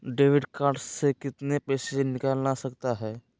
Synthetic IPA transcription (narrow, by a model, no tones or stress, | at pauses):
ɖeːʋɪɖkaːɾɖsːekɪt̪nepɛːsenɪkalnasɐkt̪aɦɛː